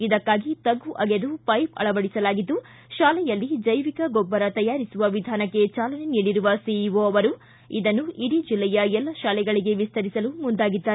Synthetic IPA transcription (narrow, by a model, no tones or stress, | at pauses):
id̪ɐkːaːɡit̪ɐɡːuʔɐɡed̪upɐjpɐ̰ɭɐʋɐɽisɐlaːɡid̪ːu | ʃaːlɛjɐlːid͡ʒɐjʋikɐɡɔbːɐɾɐt̪ɐjaːɾisuʋɐʋid̪ʱaːnɐkːe̞t͡ʃaːlɐne̞niːɽiɾuʋɐsiʋoɐʋɐɾu | id̪ɐnːuʔiɽid͡ʒilːɛjɐɛlːɐʃaːlɛɡɐɭiɡe̞ʋist̪ɐɾisɐlumund̪aːɡid̪ːaːɾe